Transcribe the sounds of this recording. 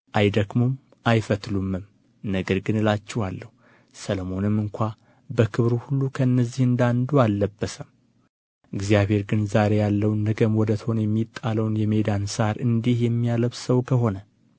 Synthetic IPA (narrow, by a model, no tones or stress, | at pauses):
ʔajd̪əɡmum | ajfət̪lumːɨm | nəɡəɾɡɨnɨlat͡ʃːɛhalːəhu | sələmo̞nɨmːɨŋkʷa | bəkʰɨβɾuhulːukʰəɨnːəzːihɨnd̪and̪ualːəbːəsəm | ʔɨɡzijaβhe̞ɾɡɨnzaɾe̞jalːəwnːəɡəmwɔd̪ət̪ʰəho̞nəjɛmːit̪ʼːaləwnjɛmed̪ansaɾɨnd̪ihjɛmːijaləβsəwkʰəɦo̞nə